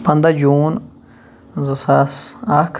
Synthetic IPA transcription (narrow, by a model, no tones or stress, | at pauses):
pand̪ajun | zɨsasakʰ